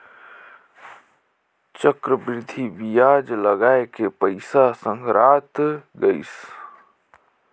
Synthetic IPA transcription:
t͡ʃəkɾəbɾɪd̪ʱibijaːd͡ʒləɡaːekepəɪsasə̃ŋɡɾaːt̪ɡəis

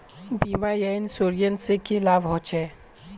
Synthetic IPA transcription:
bimajajnsoɾijənsekilaʋɦɔt͡ʃʰɛ

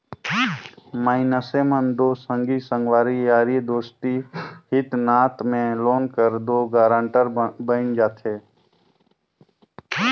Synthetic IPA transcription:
maːɪnəseːmənd̪oːsə̃ŋɡisə̃ŋɡwaːɾijaːɾijd̪oːst̪iɦɪt̪naːt̪mẽloːnkəɾd̪oːɡaːɾãːɳʈəɾbənd͡ʒaːt̪ʰeː

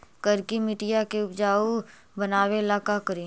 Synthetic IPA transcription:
kəɾkimɪʈijakeʊpd͡ʒaːu | bənaːwelaːkakəɾi

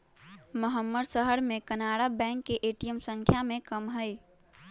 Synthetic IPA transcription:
məɦəmːəd̪səɦəɾmekənaɽabɛ̃ŋkːeʔeʈijəmsə̃ŋkʰjamẽkəmɦəɪ

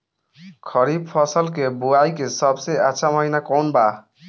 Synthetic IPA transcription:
kʰɔɾib̚pʰɔsɔlkebuajkesɔbseaːʃʰamɔɦinakɔnba

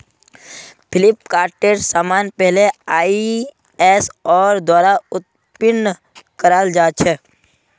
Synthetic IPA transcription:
pʰɪlɪp̚kaːɾʈeɾsaːmaːnpɛɦleaːi | ɛːsɔːɾd̪waːɾaʊt̪̚ | pɪnː | kəɾaːld͡ʒaːt͡ʃʰɛ

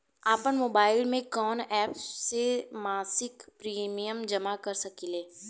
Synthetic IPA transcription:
aːpənmoːbaːɪlmẽkɔːnɛːpssemaːsɪkpɾiːmijəmd͡ʒɐmakɐɾsɐkileː

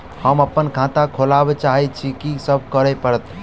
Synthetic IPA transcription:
həməpːənkʰãt̪akʰolabet͡ʃaɦit̪̚t͡ʃʰikisəb̚ʱkəɾɛpəɾət̪

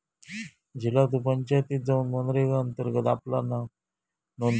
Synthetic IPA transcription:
d͡ʑʱilat̪̬upəɲt͡ɕajt̪iːt̪d͡zauːnmənɾeɡaənt̪əɾɡət̪aplana | non

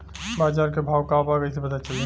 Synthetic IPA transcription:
baːd͡ʒaːɾkebʱaːʋkaːpaːɡəjsepɐt̪at͡ʃɐle

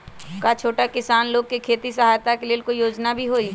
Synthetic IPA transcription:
kat͡ʃʰoːʈakɪsaːnloːɡ̚kekʰeːt̪isɐɦaːjt̪akeleːlkoijoːd͡ʒnabʱiɦoːiː

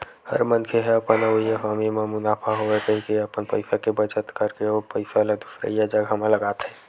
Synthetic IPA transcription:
hə̰ɾmənkʰeɦɛ̃əpənəijaɦamimemʊnaːpʰaɦoekəɦikeəpənpəɪsakebət͡ʃət̪kəɾkeopəɪsalad̪usɾḛijad͡ʒəɡʱəmaləɡaːt̪ɦɛ̃ː

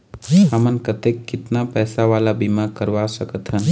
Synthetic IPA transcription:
əmənkət̪ekːɪt̪napɛːsaʋalabimakəɾʋasəkət̪ɦən

